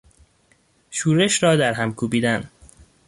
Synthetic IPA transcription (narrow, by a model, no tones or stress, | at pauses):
ʃuːɾeʃɾɒːd̪æɾɦæmkʰuːbiːd̪æn